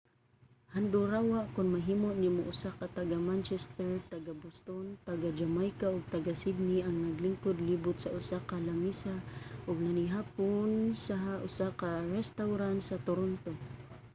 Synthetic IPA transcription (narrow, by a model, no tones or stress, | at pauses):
hand̪ʊɾawaʔkʊnmaɦimoʔnimʊʔʊsakat̪aɡamant͡ʃɛst̪ɛɹt̪aɡabʊst̪ont̪aɡad͡ʒamajkaʊɡ̚t̪aɡasid̪̚niaŋnaɡlɪŋkʊd̪libʊt̪̚saʔʊsakalamisaʔʊɡ̚naniɦapʊnsaɦaʔʊsakaɾɛst̪awɾant̪sat̪ʊɾont̪o